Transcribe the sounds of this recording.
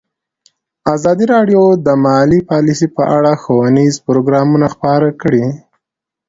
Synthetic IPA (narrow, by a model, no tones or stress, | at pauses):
azɑd̪iɾɑɖjod̪əmɑlipɑlisipəʔaɽaxowanizpʊɾoɡɾɑmunaxpɑɾakɽi